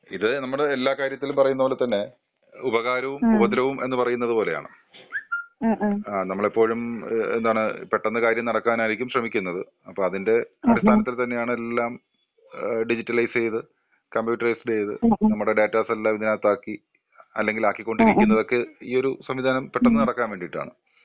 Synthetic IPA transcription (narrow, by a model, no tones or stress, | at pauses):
iðɨnɐmːuɽeelːaːkaːɾjɐt̪ːilumpɐrɐjunːɐpoːlet̪ːɐnːe̞ | ubɐɣaːɾɐʋumubɐðilɐʋumʔe̞nːɨpɐrɐjunːɐðɨpo̞ːle̞ja̰ːɳɨ̰ | anɐmːɐɭipːo̞ːɻumend̪aːɳɨpe̞ʈːɐnːɐkaːɾjɐmnɐɽɐkːaːnaːiɾikʲːumɕrɐmikʲːunːɐðɨ | ɐpːoːmɐðinde̞ɐɾist̪ʰaːnːɐt̪ːilt̪ɐnːe̞jaːɳɨe̞lːaːm | ɖid͡ʑitːɐlɐjst͡ɕe̞jðɨ | kɐmbjuːʈːɐrɐjsd͡ʑejðɨ̰nɐmːuɽe̞ɖe̞ːtːaːselːaːmiðinaːt̪ːaːkːi | ɐ̰lːe̞ŋɡilaːkːikʲːo̞ɳɖiɾikʲːunːɐðo̞kːe̞iːoɾusɐmʋid̪ʱaːnɐmpeʈːɐnːɨnɐɽɐkːaːnʋeːɳɖiʈːa̰ːɳɨ